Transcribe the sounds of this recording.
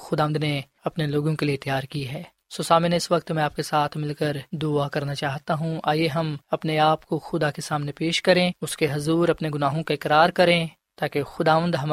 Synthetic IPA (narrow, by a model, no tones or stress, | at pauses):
xʊd̪aːʋ̃ənd̪ne | ɐpneloːɡõkeliet̪jaːɾkiɦɛː | soːsaːmɪneɪsʋɐkt̪mɛ̃aːp̚kesaːt̪ʰmɪlkəɾd̪ʊakɐɾnat͡ʃaːɦt̪aɦũʔaːjeɦɐmɐpneaːpkoxʊd̪akesaːmnepeːʃkɐɾẽʊskeɦɐzuːɾɐpneɡʊnaːɦõkaɪkɾaːɾkɐɾẽː | t̪aːkexʊd̪aːʋə̃nd̪ɦɐm